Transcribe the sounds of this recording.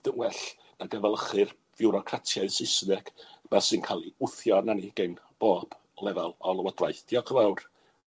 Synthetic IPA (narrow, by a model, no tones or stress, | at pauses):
ðənwɛɬ | naɡəvɛlˠəχɨr | vɪwɾɔkʰratʰjaɨsɪsnɛɡ̥b̥ɛsɨnkʰalˠiʊθjɔnaniɡ̥enb̥oːb̥ | lˠɛvalˠɔlˠəwɔdrajθd̥iɔkʰəvawr